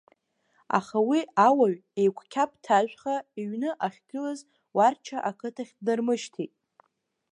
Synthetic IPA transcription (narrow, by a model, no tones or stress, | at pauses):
a̰χawiawaɥejkʷʰkʲʰap̚ʼtʰaʒʷᶣχaiɥnɨʔaχʲɡɨlaz | wart͡ʃʰaʔakʰɨtʰaχʲdɨrmɨʃtʰitʼ